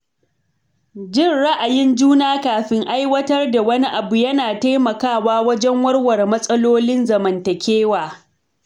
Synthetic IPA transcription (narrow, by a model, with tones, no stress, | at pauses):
d͡ʒɪ˦nɽa˦ʔa˨jɪ˦nd͡ʒuː˦naː˦kaː˨ɸɪ˦ŋʔa˦jwɐ˦tɐ˦rda˨wɐ˦ni˦ʔa˨bu˨jɐ˦naː˨ta˦jmɐ˨kaː˦˨waː˦wɐ˦d͡ʒɛ˦ŋwɐ˦rwɐ˨rmɐ˦sʼɐ˦loː˦lɪ˦nzɐ˨mɐ˨ntɐ˨kʲʰeː˦waː˨